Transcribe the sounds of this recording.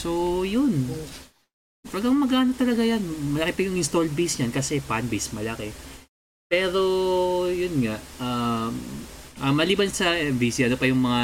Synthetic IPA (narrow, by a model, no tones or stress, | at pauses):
so̞jʊn | paɡɐŋmɐɡaːnɐt̪ːɐlɐɡajanmɐlɐkɪpɐjʊŋɪnst̪old̪̚bisɲankɐsɛpanbismɐlɐkɛ | pɛːɾo̞jʊnŋaʔamʔɐmɐliːbɐnsɐʔɛmbisiʔɐnopɐjʊŋmɐŋa